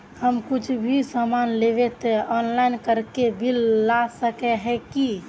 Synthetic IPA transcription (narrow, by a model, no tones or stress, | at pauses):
həmkut͡ʃʰbʱisamanleʋet̪ɛɔnlainkəɾkebilːasəkɛɦɛkki